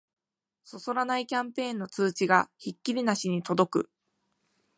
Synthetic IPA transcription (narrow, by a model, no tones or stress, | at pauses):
so̞so̞ɾanaikʲãmpẽ̞ːnːo̞t͡sɨːt͡ɕiɡaçikʲːiɾʲinaɕiɲ̟it̪o̞d̪o̞kɯ̟